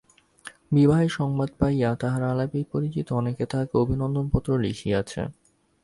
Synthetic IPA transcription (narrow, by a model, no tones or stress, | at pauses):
bibaɦeʃɔŋbad̪pajat̪aɦaɾalapipoɾit͡ɕit̪oɔneket̪ʰakeobʱinɔnd̪ompɔt̪ːɾoliʃiat͡ɕʰḛ